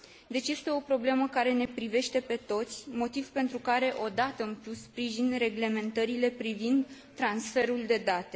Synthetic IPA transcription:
d̪e̞t͡ʃʲje̞st̪e̞o̞pɾo̞ble̞məkaɾe̞ne̞pɾive̞ʃt̪e̞pe̞t̪o̞t̪sʲmo̞t̪iv̥pe̞nt̪ɾukaɾe̞ʔo̞d̪at̪əɨnplussːpɾiʒinre̞ɡle̞me̞nt̪əɾile̞pɾivind̪ | t̪ːɾansfe̞ɾuld̪e̞d̪at̪e̞

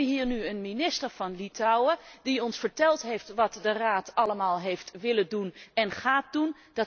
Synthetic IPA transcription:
əɦiːɹnyənminɪstəɹv̥ɑnlitɔwədiɔnsfəɹtɛlˠtɦejftʋɑtdəraːtɑləmaːlˠɦejftʋɪlədunɛnχaːt̚dun | d̥ɑ

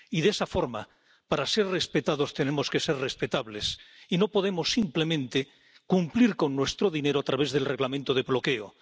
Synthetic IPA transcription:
iðesafo̞ɾma | paɾase̞ɾre̞spe̞t̪að̞o̞st̪ene̞mo̞ske̞seɾrespe̞t̪aβle̞sino̞po̞ðe̞mosːimple̞mẽ̞nt̪e | kumpliɾko̞nːwe̞st̪ɾoðine̞ɾoat̪ɾaβe̞zðe̞lre̞ɣlamẽnt̪oð̞e̞βlo̞keo̰

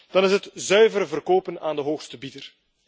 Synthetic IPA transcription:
d̥ɑnɪsɦətzœɥvəɾəvərkoːpənaːndəɦoːxstəbitər

